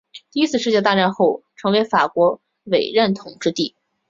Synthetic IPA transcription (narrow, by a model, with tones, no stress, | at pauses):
t̪i˥˧i˧˥t͡ssʰɹ̩˥˧ʂɻ̩˥˧t͡ɕjɛ˥˧t̪a˥˧ʈ͡ʂa˥˧nxo˥˩ʊʈ͡ʂʰɤ˧˥ŋwe˧˥ɪfa˨˩kwɔ˧˥ | we˨˩ɪɻə˥˩nt̪ʰʊ˨˩ŋʈ͡ʂɻ̩˥˧t̪i˥˩